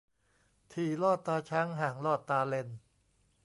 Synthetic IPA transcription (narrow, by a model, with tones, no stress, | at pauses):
t̪ʰiː˨˩lɔː˥˩t̪ːaː˧t͡ɕʰa˦˥ŋɦaː˨˩ŋlɔː˥˩t̪ːaː˧le˧n